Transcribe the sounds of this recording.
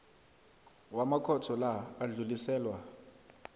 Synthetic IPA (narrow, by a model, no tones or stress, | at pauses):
wamakʰɔtʰɔlaːɮulisɛːlwa